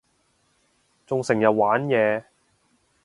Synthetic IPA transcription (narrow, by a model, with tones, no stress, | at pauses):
t͡sʊ˨ŋsɪ˨˩ŋjɐ˨wwaː˨˥njɛː˨˧